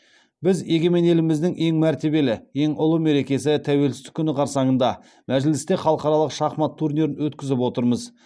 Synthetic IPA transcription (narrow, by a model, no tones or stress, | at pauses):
bɪzje̞ɡʲe̞me̞ne̞lɪmɪzd̪ɪŋʔe̞ŋmæɾt̪e̞be̞lɪe̞ŋʔʊlˠəme̞ɾe̞kʲe̞s̬ɪt̪ʰæwe̞lsɪst̪ɪ̥kʲʰːʏnɪqʰɑɾsɑɴənd̪ɑ | mæʒɪlɪst̪e̞χɑlˠəqɑɾɑlˠəqʃɑχmɑt̪ʰːuɾnʲeɾɪnwɵt̪kʲɪzɪp̬wo̞t̪əɾməz